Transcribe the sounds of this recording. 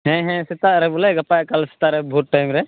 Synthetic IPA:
ɦɛ̃ɦɛ̃sit̪aʔɾɛbulɛɡɐpajkalsi̥t̪aɾɛbʱuʈ̚ʈajmɾɛ

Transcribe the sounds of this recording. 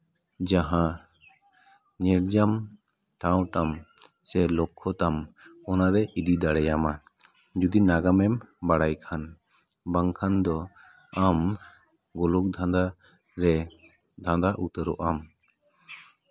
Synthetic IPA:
d͡ʒaɦã | ɲɛɾd͡ʒam | ʈaw̃ʈam | sɛlɔkʰːɔt̪amɔnaɾɛid̪id̪aɽɛjama | d͡ʒud̪inaɡamɛmbaɽajkʰan | baŋkʰand̪ɔ | am | ɡɔluk̚d̪ʱãnd̪a | ɾɛ | d̪ʱãnd̪aʔut̪əɾɔʔam

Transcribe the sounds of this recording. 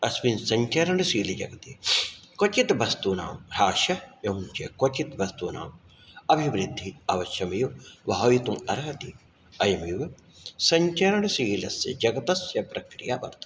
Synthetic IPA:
ɐsʋinsɐɲt͡ʃɐɾɐɳsiːlid͡ʒɐ̰ɡɐt̪ikot͡ʃit̪bɐst̪uːna̰ːmɾaːʃɐjɐunt͡ʃɐ̰kot͡ʃit̪ʋɐst̪uːna̰ːm | ɐbʱiʋɾid̪ʱːiɐʋɐʃjɐmijuʋɐɦɐit̪umɐɾɐɦɐt̪i | ɐjɐmiʋ | sɐɲt͡ʃɐɾɐɳɐsiːlɐsjɐ̰d͡ʒɐɡɐt̪ɐsjɐpɾɐkɾijaːbɐ̰ɾt̪ɐ

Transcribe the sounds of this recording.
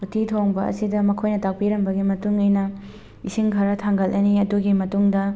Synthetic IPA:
utʰitʰoŋbɐ̰ɐ̰sidɐmɐkʰojnɐtak̚piɾɐmbɐɡimɐtuŋɔjnɐ | isiŋkʰaɾɐtʰaŋɡɐlʔɐniɐduɡimɐtuŋdɐ

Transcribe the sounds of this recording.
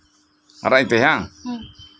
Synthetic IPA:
a̰ɾait̪eɦa

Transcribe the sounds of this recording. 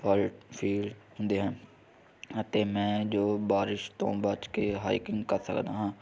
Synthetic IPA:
fəlʈfʰiːlɦʊ̃nd̪eɦɛ̃ː | ət̪eːmɛ̃ːd͡ʒoːbaːɾɪʃt̪õ̰ːbaːt͡ʃkeɦa̰ːɪkɪ̃ŋɡkəɾsə̰kd̪aːɦãː

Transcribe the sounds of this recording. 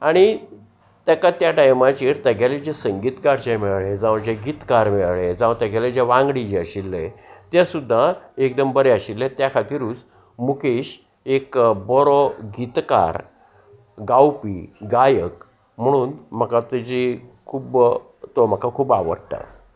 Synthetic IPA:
aɽ̃i | t̪əkat̪jaʈajmat͡ɕiːɾt̪əɡʱaled͡ʑesəŋɡiːt̪kaɾt͡ɕemiɭaɭed͡zaʋd͡ʑeɡit̪kaɾmeɭɭed͡zãʋ̃t̪əɡʱaled͡ʑaʋãŋɡɽid͡ʑeəɕilːet̪jasud̪ʱːaek̚d̪əmbəɾeaɕilːet̪jakʰat̪iːɾuːt͡s | mukeɕ | ekbɔɾɔɡit̪ka̰ɾ | ɡawpiɡajək | m̤əɽ̃uːnm̤əkat̪ed͡ʑikʰuːb | t̪om̤əkʰakʰuːbaʋə̰ɽʈa̰

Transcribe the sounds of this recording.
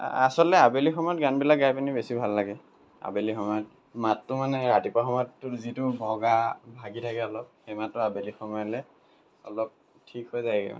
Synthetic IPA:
a̰sɔlɛabelixɔmɔjɔt̚ɡanbilak̚ɡajpanibesibʱalːaɡɛ | a̰belixɔmɔjɔt̚ | matːʊmanɛɹatipaxɔmɔjɔtːʊzitʊbʱɔɡabʱaɡitʰakɛɔlɔp̚xɛmatːʊabelixɔmɔjɔlɛ | ɔ̰lɔp̚ | tʰikhɔjzaɡɛ̰ma̰

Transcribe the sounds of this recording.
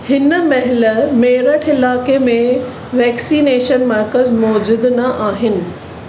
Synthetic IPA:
hɪnəmɐɦɪləmeːɾəʈʰɪlaːkemẽ | ʋɛːksiːneːʃənmɐɾkəzmɔːd͡ʑʊd̪nɐʔaːɦɪnɪ̆

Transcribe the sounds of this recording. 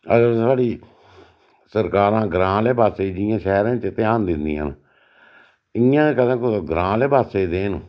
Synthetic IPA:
əɡəɾsaːɽiː | səɾkaːɾãːɡɾãːleːbaːseːd͡ʒɪjãːʃɛːɾãːt͡ʃɪt̪eãːnd̪ɪnd̪ḭːã̰ːn | ɪjãːkəd̪ãːkoɡɾãːleːbaːseːd̪eːnː

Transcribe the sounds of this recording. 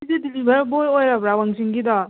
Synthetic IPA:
izedilibaɾbojojɾabɾawaŋziŋɡida

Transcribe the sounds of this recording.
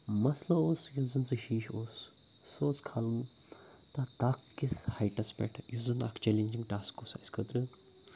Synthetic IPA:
mɐslɐoːsjuzɐnsɨʃiːʃoːsː | oːskʰalɨn | t̪ɐt̪aːkːishɐjʈɐspɛ̰ʈʰjuzɐnɐ̰kʰt͡ʃelenʲd͡ʒiŋɡʈaːskosɐ̰skʰət̪ɾɨ

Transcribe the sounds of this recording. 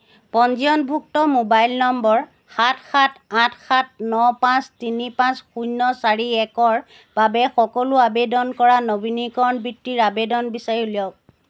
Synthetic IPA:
pɔnziɔnbʱuk̚tɔmobajlnɔmbɔɹ | xatʰxatʰatxat̚nɔpãstinipãsxujnːɔsaɹiɛkɔɹ | b̥abɛxɔkɔlʊabedɔnkɔɹanobinikɔɹnbɹitːiɹabedɔnbisaɹjulijɔ

